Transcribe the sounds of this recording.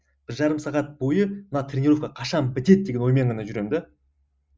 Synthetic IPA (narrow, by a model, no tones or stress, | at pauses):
b̥ɪɾʒɑɾəmsɑʁɑt̪̚bo̞jəmnɑt̪ʰɾʲenʲiɾofkɑqʰɑʃɑnbɪt̪e̞d̪̚d̪eɡʲe̞nwo̞jmeɴʁɑnɑʒʏɾe̞md̪e